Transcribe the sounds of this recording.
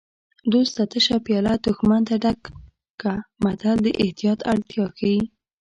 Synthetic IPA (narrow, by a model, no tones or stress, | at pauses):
d̪ost̪at̪əʃapjɑlad̪ʊxmant̪aɖakː | amat̪ald̪əʔɪht̪ijɑt̪aɽt̪jɑkawi